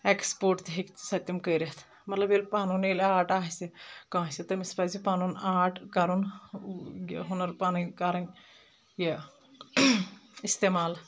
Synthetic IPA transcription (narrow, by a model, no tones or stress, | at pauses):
ekspoːɾʈt̪iɦiksɐt̪ʲːɐmkəɾɐt̪ʰ | mɐt̪lɐbelpaːnunelaːʈaːɦsekãːsit̪ɐmispazipaːnunaːʈkɐɾun | j̰ɦunɐɾpaːnɐkaːɾɐn | je | ist̪eːmaːl